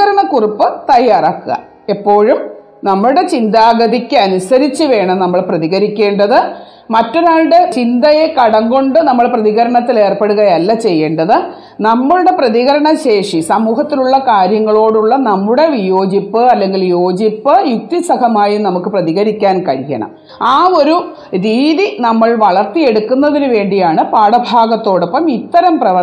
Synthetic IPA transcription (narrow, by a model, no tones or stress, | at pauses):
ɐɾɐɳɐkuripːɨt̪ɐjːaːraːkːɨɣɐ̰ | epːo̞ːɻum | nɐmːɐɭuɽe̞t͡ɕind̪aːɡɐd̪ikʲːɨɐnusɐɾit͡ɕːɨʋe̞ːɳɐmnɐmːɐɭprɐðiɣɐɾikʲːe̞ːɳɖɐðɨ | mɐtːunaːɻɽet͡ɕind̪ɐje̞kɐɽɐŋɡo̞ɳɖɨnɐmːɐɭprɐðiɣɐɾɐɳɐt̪ːile̞ːrpeɽuɣɐjɐlːɐt͡ɕe̞jːeːɳɖɐðɨ | nɐmːɐɭuɽe̞prɐðiɣɐɾɐɳɐɕe̞ːʂisɐmuːɦɐt̪ːiluɭːɐkaːɾjɐŋːɐɭo̞ːɽuɭːɐnɐmːuɽe̞ʋijo̞ːd͡ʑipːɨɐlːe̞ŋɡiljo̞ːd͡ʑipːɨjuk̚t̪isɐkɐmaːjinɐmukːɨprɐðiɣɐɾikʲːaːnkɐɾikʲːɐ̰ɳɐ̰m | aːo̞ɾu | ɾiːðinɐmːɐɭʋɐɭɐrt̪ije̞ɽukːunːɐðinɨʋe̞ːɳɖijaːɳɨpaːɽɐbʱaːɡɐt̪ːo̞ːɽepːɐmit̪ːɐɾɐmprɐʋɐ